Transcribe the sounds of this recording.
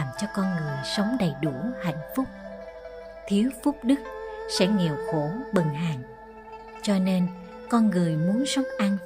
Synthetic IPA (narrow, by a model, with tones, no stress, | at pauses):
mt͡ɕɔ˧kɔ˧nŋɨ˨˩əjsə˨˦wŋ͡mɗə˨˩jɗu˧˩əha̰˧˨jŋ̟fʊ˦˥k͡p̚ | t̪ʰi˨˦əwfʊ˦˥k͡p̚ɗɨ˦˥k̚sɛ̰˧˥ŋi˨˩əwxo˧˩ɓə˨˩nɦaː˨˩ŋ | t͡ɕɔ˧ne˧n | kɔ˧nŋɨ˨˩əjmu˨˦ənsə˨˦wŋ͡mʔa˧n